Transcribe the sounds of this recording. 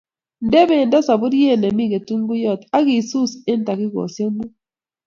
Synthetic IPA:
nde˦βe˨nda˦sa˨βu˦ɾje˦˨nɛ˨mi˦˨ɣe˨tu˦ŋɡu˦jɔ˦˨ta˦ɣi˨su˦se˦n˦ta˨kɪ˦ɣɔ̰˨sje˦mu˦

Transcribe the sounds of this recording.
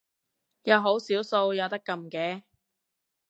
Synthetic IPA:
jɐ˨˧wɦo˨˥wsiː˨˥wso˧wjɐ˨˧wt̪ɐ˥kːɐ˧mkɛː˧

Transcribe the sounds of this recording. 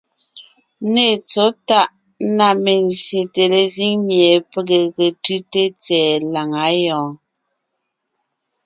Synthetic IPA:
ne˨t͡so˦ta˦ʔ | na˨me˨n˨sje˨te˨le˨zi˦ŋmje˨pe˨ɡe˨ɣe˨tʉ˦te˦t͡sɛː˨la˨ŋa˨˦jɔ̃ː˨

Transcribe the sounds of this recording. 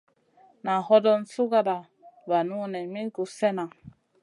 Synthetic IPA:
na˨hɔ˦dɔ˦nsu˦ɡa˦da˨ | ba˨nu˦nɛ˨mi˦ku˨sɛ˦na˨

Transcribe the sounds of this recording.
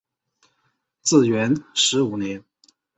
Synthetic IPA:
t͡sɹ̩˥˩ɥɛ˧˥nʂɻ̩˧˥u˨˩njɛ˧˥n

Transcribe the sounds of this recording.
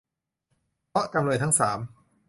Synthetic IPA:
pʰɔ˦˥ka˧mlɤː˧jt̪ʰa˦˥ŋsaː˩˦m

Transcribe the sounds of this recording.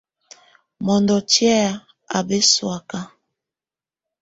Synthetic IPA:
mɔ˨ndɔ˨tjɛ˦˨ | a̰˨be˦swa˨ka˦

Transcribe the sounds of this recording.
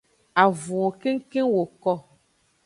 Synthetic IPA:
a˨vũ˨ɔ˨ke˦ŋ̩˦kẽ˦wo˨kɔ˦

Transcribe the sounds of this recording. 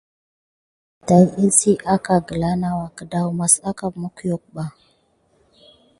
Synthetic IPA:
ta˨li˦lsi˦ʔa˦ka˨ɡə˨la˦na˦wa˨kə˨da˦wma˨sa˦ka˨mu˦kjo˦˨k̚ba˦˨

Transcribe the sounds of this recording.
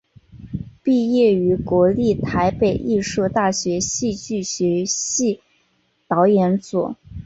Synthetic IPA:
pi˥˧jɛ˥˩y˧˥kwɔ˧˥li˥˩t̪ʰa˧˥ɪpe˨˩ɪʔi˥˧ʂɤ˥˧t̪a˥˩ɕɥɛ˧˥ɕi˥˧t͡ɕy˥˩ɕɥɛ˧˥ɕi˥˩ | t̪ɑ˧˥ʊjɛ˧˥nt͡swɔ̰˨˩˦

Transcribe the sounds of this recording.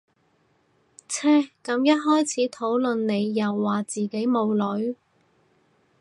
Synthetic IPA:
t͡sʰɛː˥kɐ˨˥mjɐ˥t̚ɦɔː˥jt͡sʰiː˨˥t̪ʰo˨˥wlɵ˨nne˨˧jːɐ˨wːaː˨˩t͡siː˨ke˨˥jmo˨˧wlɵ˨˥ɥ

